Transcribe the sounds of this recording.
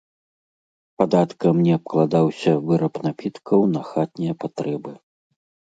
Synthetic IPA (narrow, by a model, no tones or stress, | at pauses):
pad̪at̪kɐmnʲɛɐp̚klˠad̪awsʲɐvɨɾɐpnapʲit̪kʰɐwnɐxat̪̚nʲijɐpat̪ɾɛbɨ